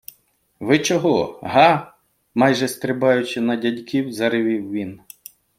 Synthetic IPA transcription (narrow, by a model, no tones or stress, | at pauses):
ʋɪt͡ʃɔɦɔɦɑ | mɑjʒɛst̪ɾɪbɑjʊt͡ʃɪnɐdʲɐdʲkʲiwzɐɾɪʋʲiwʋʲin